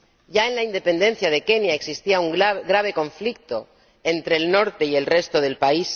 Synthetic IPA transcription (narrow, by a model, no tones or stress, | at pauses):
ɟ͡ʝae̞nlaind̪e̞pe̞nd̪e̞n̟θjað̞e̞ke̞njaeksist̪iauŋaɡɾaβ̞e̞kõ̞ɱflik̚t̪o̞ | e̞nt̪ɾe̞ːlno̞ɾt̪e̞ie̞lre̞st̪oðe̞lpais